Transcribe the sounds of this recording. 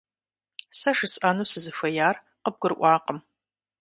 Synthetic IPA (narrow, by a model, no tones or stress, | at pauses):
sɐʂɨsʔanusɨzɨfʷɐjaːr | qəb̚ɡ̥ʷʊrʔʷɑːqəm